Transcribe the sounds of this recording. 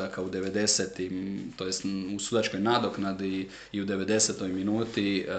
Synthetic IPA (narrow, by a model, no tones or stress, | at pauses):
akaud̪e̞ʋe̞d̪e̞set̪imt̪ojest̪usuːd̪at͡ʃko̞jnad̪oknad̪i | iud̪e̞ʋe̞d̪e̞set̪o̞jminuːt̪i